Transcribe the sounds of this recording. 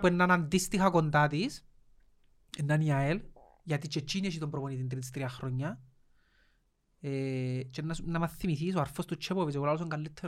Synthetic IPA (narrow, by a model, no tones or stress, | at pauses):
pwenːanand̪ist̪ixakont̪at̪̬is | enːaniael | jat̪it͡ʃet͡ʃːineʃ̬it̪ompɾoponit̪int̪̬ɾit̪ist̪ɾiaxɾoɲːa | et͡ʃenːasnːamaθːimiθis̬oaɾfost̪ut͡ʃːepoβisekolaos̬oŋkalːit̪ʰːe